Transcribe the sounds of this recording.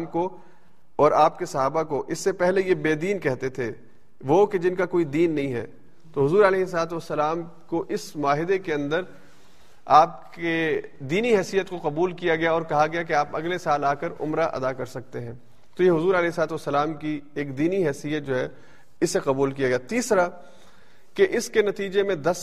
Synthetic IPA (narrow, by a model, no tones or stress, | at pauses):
mko | ɔːɾaːpkesɐɦaːbakoʔɪsːepɛɦlejebeːd̪iːnkɛɦt̪et̪ʰe | ʋoked͡ʒɪnkakoːid̪iːnːɐɦĩɦɛ̰ː | t̪oɦʊzuːɾɐlɛːɦs̬laːt̪̬uʋɐsːəlaːm | koʔɪsmʊaːɦɪd̪ekeɐ̃nd̪əɾ | aːp̚ked̪iːniɦɛːsijət̪koqɐbuːlkijaɡɐjaɔːɾkɐɦaɡɐjakeaːpɐɡlesaːlaːkəɾʊ̰mɾaʔɐ̰d̪akɐɾsɐk̚t̪eɦɛ̃ː | t̪ojeɦʊzuːɾɐlɛːɪslaːt̪uʋɐsːəlaːmkieːkd̪iːniɦɛːsijət̪̚d͡ʒoːɦɛ | ɪsːeqɐbuːlkijaɡɐjat̪iːsɾa | keʔɪskenɐt̪iːd͡ʒemẽd̪ɐs